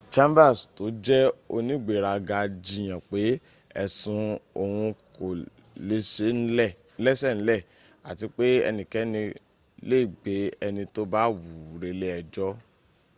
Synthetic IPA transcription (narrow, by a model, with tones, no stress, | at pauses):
t͡ʃã˦mba˦˨sto˨˦d͡ʒɛ˦o˧nĩ˦ɡ͡be˨ɾa˧ɡa˧d͡ʒi˧j̃ã˨k͡pe˨˦ | ɛ˧sũ˧o˧hũ˧ko˨ | le˧˦se˨˦n̩˦˨˦lɛ˦sɛ˦˨n̩˨˦lɛ˦˨ | a˨ti˧k͡pe˦ɛ̰˧nĩ˨kɛ˨˦nĩ˧ | le˦i˦˨ɡ͡be˨˦ɛ˧nĩ˧to˦ba˦wu˨ɾe˧le˦ɛ˨d͡ʒɔ˦